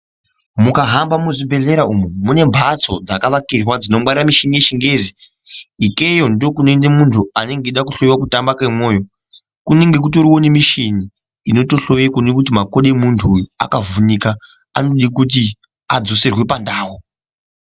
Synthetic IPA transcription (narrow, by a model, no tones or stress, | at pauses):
mukaɦambamuʐibʱe̞ɮe̞ɾaumumune̞mbʱat͡so̞̰d͡zakaʋakirwad͡zino̞ɓariramiʃinijeʃiŋɡe̞ːzi | ike̞jo̞ndokunoendemuntʰuane̞ŋɡeɗakuɬo̞jwakutambakamo̞ːjo̞ | kune̞ŋɡe̞kutoɾiwo̞nimiʃini | ino̞to̞ɬo̞jekunekut̬imako̞ɗemuntʰua̰kavunika | a̰no̞ɗik̬ut̬i | ad͡zo̞se̞rwe̞pandaːwo